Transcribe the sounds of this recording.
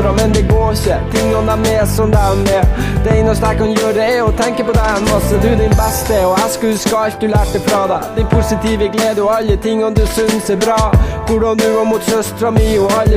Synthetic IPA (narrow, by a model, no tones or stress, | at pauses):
ɾɔmɛnd̪ɛɡoːçət̪ʰɪŋːɔmd̪æmɛːsɔmd̪ænɛd̪̥ɛɛɪnəʂt̪æɪkɑnjøːɾəɛɛɔt̪ʰɛŋkəpɔd̪ɛhɛnːɑsɔd̪ʉd̪ɪnbɛst̪əɔæʂkʉlskɑlt̪̚d̪ʉlæːʈ̪̚ːɛfɾɑːd̪æɪd̪ɪnpʰʊsɪt̪iʋəɡleːd̪əɔɑlːət̪ʰɪŋːɔmd̪ʉsʏnsɛɾbɾɑːʋʊɖɑnd̪ʉʋɑɾmʊt̪sœst̪ɾɑmilɔɑlːə